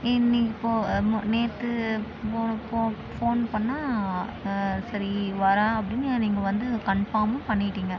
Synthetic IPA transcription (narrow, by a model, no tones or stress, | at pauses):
ɪnːiŋɪpːoːmneːt̪ːɯ | poːpoː | foːnpɐɳːaː | sɐɾiʋɐɾaɐpːɐɽɪnːɯniːŋɡɐʋɐnd̪ɯkɐɳfaːmɐpɐɳːɪʈːiːŋɡɐ